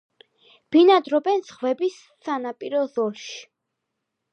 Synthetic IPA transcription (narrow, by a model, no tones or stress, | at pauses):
b̥inad̪ɾɔbɛnsχvɛbisːanapʼiɾɔðɔlʃi̥